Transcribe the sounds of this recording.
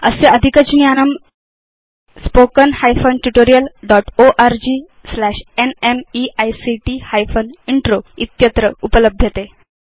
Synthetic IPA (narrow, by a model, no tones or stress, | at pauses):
ə̰seəd̪ʱikəd͡ʑnijanəm | spokənhajfonʈuʈoɾijəlɖɔʈoʔaɾd͡ʑiː | slæɕenemiajsiʈihajfoniɳʈɾoit̪jət̪ɾəupələb̚d̪ʱjət̪e